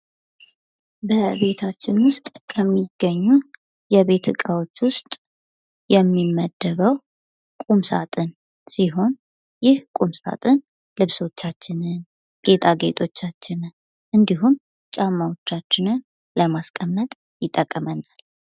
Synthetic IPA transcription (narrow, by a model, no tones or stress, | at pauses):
bəβe̞t̪ʰat͡ʃːɪnwʊst̪ʼkʰəmːiɡːəɲːu | jɛβe̞t̪ʰɨkʼawot͡ʃːwʊst̪ʼ | jɛmːimːəd̪ːəβəw | kʼumsa̰t̪ʼɨn | siɦo̞n | jɪhkʼumsa̰t̪ʼɨn | lɨβso̞t͡ʃːat͡ʃːɪnɨn | ɡ̥e̞t̪ʰʼaɡe̞t̪ʼo̞t͡ʃːat͡ʃːɪnɨn | ʔɨnd̪iɦum | t͡ʃʼamːawot͡ʃːat͡ʃːɪnɨn | ləmaskʼəmːət̪ʼ | jɪt̪ʼːəkʼːəmənal